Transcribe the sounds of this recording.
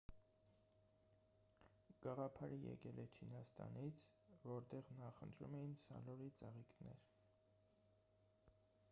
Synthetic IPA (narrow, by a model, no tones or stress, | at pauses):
ɡ̥ɑʁɑpʰɑɾəjɛ̰kɛlɛt͡ʃʰinɑst̪ɑ̰nit͡sʰ | vɔɾt̪ɛʁnɑχənt̪ʰɾṵmɛjinsɑ̰lɔɾit͡səʁiknɛɾ